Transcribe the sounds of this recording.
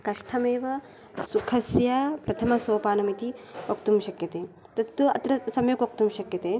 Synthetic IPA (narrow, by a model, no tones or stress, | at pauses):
kɐʂʈʰɐmeːʋɐ | sukʰɐsjɐpɾɐt̪ʰɐmɐsoːpaːnumit̪iʋɐk̚t̪umʃɐkjɐt̪eː | t̪ɐt̪ːuɐ̰t̪ɾɐsɐmjɐkʋɐk̚t̪umʃɐkjɐt̪eː